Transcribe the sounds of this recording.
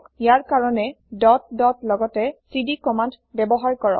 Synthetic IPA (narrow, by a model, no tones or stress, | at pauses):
jaɹkaɹɔnɛ | dɔt̚dɔtlɔɡɔtɛsidikɔmand | bɛbɔɦaɹkɔɹɔ̰